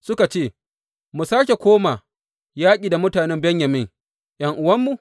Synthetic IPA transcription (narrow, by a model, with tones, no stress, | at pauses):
sʊ˦ka˨t͡ʃeː˦˨ | mu˨saː˦kʲe˨kʷoː˦ma˨ | jaː˦kʲʼiː˨da˨mʊ˦taː˨nɛ˦mbɛ˦ɲjɐ˨mɪ˦ŋ | jɐ˨ŋʔʊ˦wɐ˦mːu˨